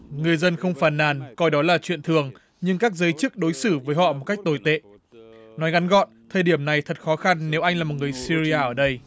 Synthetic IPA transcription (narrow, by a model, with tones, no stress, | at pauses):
ŋɨ˨˩əjzə˧nxə˧wŋ͡mfaː˧˩nːaː˨˩nkɔ˧jɗɔ˨˦laː˨˩t͡ɕwḭ˧˨ənt̪ʰɨ˨˩əŋ | ɲɨ˧ŋkaː˦˥k̚zəː˨˦jt͡ɕɨ˦˥k̚ɗo˨˦jsɨ˧˩vəː˨˦jɦɔ̰˧˨mo˨˩t̚ka˦˥k̚t̪o˧˩jt̪ḛ˧˨ | nɔ˨˦jɣa˨˦nɣɔ̰˧˨nt̪ʰəː˨˩ɗi˧˩əmna˨˩jt̪ʰə˨˩t̚xɔ˨˦xa˧nːe˨˦wʔa˧jŋ̟laː˨˩mo˨˩t̚ŋɨ˨˩əjsi˧zi˧aː˧ʔəː˧˩ɗə˧j